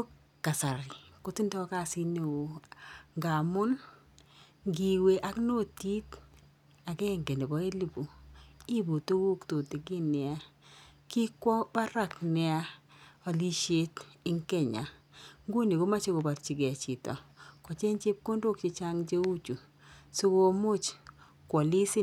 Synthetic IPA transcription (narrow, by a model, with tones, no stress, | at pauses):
o˦k | kːa˨sa˨ɾɪ˨ko˦ti˦ndɔ˦ka˦˨sɪ˦ne˨wo˨ŋɡa˨mʊ˦n | ɡi˨we˦ʔa˦kno˦˨ti˦t | a˨kɛ˦˨ŋɡe˨ni˨bɔ˦e˦li˨bu˨i˦bu˨tu˦wu˦kto˨ti˨ɡi˦nɪ˨a˦kɪ˦kwɔ˦ba˦ɾa˦˨knɪ˨˦a˦a˨li˦ʃe˦tɪ˦ŋke˦ɲa̰˨ŋɡo˦ni˨ɡo˦ma˦t͡ʃo˦ko˨ba˨ɾt͡ʃi˨ɡe˨t͡ʃi˨tɔ̰˨kɔ˨t͡ʃe˦nt͡ʃɪ˦p̚ko˦ndo˦k̚t͡ʃɪ˦t͡ʃa˦ŋd͡ʒe˦wu˦t͡ʃu˨ | so˦ɡo˦mʊ˦t͡ʃ | kwɔ˨li˦sɪ˦